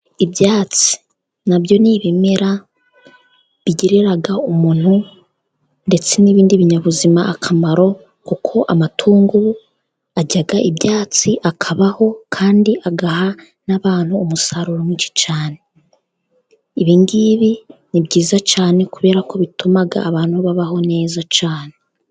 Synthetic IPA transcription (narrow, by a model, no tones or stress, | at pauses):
ibjaːt͡si̥ | nabjo̞niβimeɾa | βiɟeɾeɾaɡaumuːn̥hu | nde̞t͡se̞niβiːndiβiɲaβuzimaːkʰamaɾo̞ | kukʰo̞ʔamatʰuːŋɡu | aɟaɡaʔibjaːt͡siʔakʰaβaho̞kʰaːndiʔaɡaha | naβaːn̥huːmusaɾuɾomwiːt͡ʃi̥t͡ʃaːne̞ | iβiːŋɡiβinibɟiːzat͡ʃaːne̞kuβe̞ːɾako̞βitumaɡa̰ːβaːn̥huβaβaɦo̞ne̞ːzat͡ʃaːne̞